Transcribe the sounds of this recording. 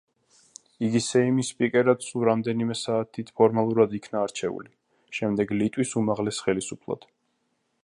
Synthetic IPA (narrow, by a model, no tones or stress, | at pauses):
iɡisɛimispʼikʼɛɾat̪suɾamd̪ɛnimɛsaːt̪ʰit̪ʰpʰɔɾmalˠuɾad̪ikʰnaːɾt͡ʃʰɛṵli | ʃɛmd̪ɛɡlit̪ʼwisumaʁlɛsχɛlisupʰlˠa̰d̪̥